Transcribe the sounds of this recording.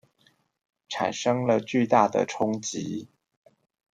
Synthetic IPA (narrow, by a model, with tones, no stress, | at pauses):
ʈ͡ʂʰa̰˨˩nʂɤ˥ŋlə˨t͡ɕy˥˧t̪a˥˩d̪ə̰˨˩ʈ͡ʂʰʊ˥ŋt͡ɕi˧˦